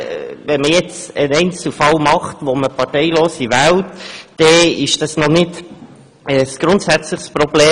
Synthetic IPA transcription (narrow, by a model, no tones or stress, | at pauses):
ʋɛnməjɛt͡sənɛɪnt͡sl̩fɑlmɑχt̪ʋoməpʰɑɾtɛɪloːsiʋæltd̥ɛɪʃd̥ɑsnɔnɪt | əsɡ̥ɾʊnt̪sæt͡sləχspɾobleː